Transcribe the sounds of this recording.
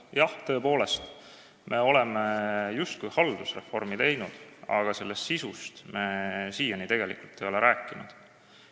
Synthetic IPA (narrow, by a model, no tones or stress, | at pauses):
jɑht̪ø̞ːpo̞ːle̞st̪ | mʔe̞o̞le̞mejust̪̚kujhɑld̪̥usre̞fo̞̰rmit̪e̞jnud̪̥ɑ̰ɡ̥ɑse̞lːe̞st̪sisust̪me̞siːjɑnit̪e̞ɡ̥e̞lḭkult̪ːˑe̞jo̞leɾʔæːkˑːinṵd̪̥